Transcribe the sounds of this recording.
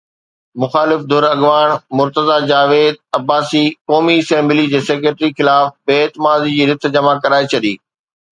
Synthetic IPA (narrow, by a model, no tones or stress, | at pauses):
mʊxaːlɪfd̪ʱʊɾɐɠʋaːɽ̃mʊɾt̪əzad͡ʑaːʋeːd̪̚ɐbːaːsikɔːmiɐsɛ̃ːmblid͡ʑeːseːk̬ɾeːʈɾixɪlaːfbeːt̪ɪmaːzid͡ʑiːɾɪt̪ʰd͡ʑɐmakɐɾaːet͡ɕʰɐɗḭː